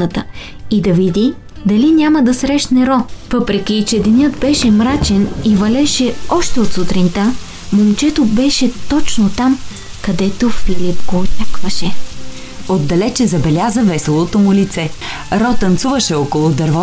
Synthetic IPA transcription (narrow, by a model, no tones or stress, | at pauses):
ət̪ə | id̪ɐvid̪ʲi | d̪ɐlinʲamɐd̪ɐsɾɛʃnɛɾɔvɤpɾɛk̟it͡ʃɛd̪ɛnʲɤd̪bɛʃɛmɾat͡ʃɛnivɐlɛʃɛɔʃt̪ɛot̪sʊt̪ɾint̪a | momt͡ʃɛt̪obɛʃɛt̪ɔt͡ʃnot̪am | kɐd̪ɛt̪ofilipɡoːtʲakvɐʃɛ | od̪ːɐlɛt͡ʃɛzɐbɛlʲazəvɛsɛlˠot̪omʊlit̪sɛ | ɾɔt̪ɐnt̪suvɐʃɛɔkolˠʊd̪ɐɾvɔ